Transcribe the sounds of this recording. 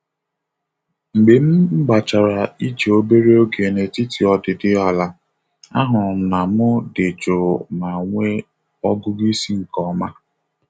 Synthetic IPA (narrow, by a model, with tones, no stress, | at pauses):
ŋ͡m̩˨ɡ͡be˨m̩˦ɡ͡ba˨t͡ʃa˨ɾa˨i˦t͡ʃe˨o˦be˦ɾe˦o˦ɡe˨ne˨ti˦ti˨ɔ˨dɪ˨dɪ˦a˨la˨ | a˦ɦʊ˨na˨mʊ˦dɪ˨t͡ʃo˨na˨ŋʷe˦ | ɔ˦ɡʊ˦ɡi˦si˦ŋ̩˨kɔ˦ma˦